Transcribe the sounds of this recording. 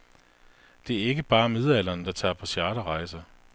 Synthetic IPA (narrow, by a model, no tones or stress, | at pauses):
d̥e̝æɐe̝ɡ̥əb̥ɑ̈ːmið̞ˠæl̰ɐːnd̥ɑ̈t͡sʰɑ̰̈ːpʰɒ̽ɕjæːɾ̥əʁɑ̈ɪ̰sɐ